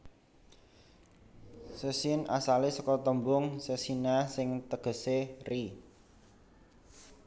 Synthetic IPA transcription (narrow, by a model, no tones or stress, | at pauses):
səsina̰salisɔkɔt̪əmbʊŋsəsinasɪŋt̪əɡ̥ə̤seri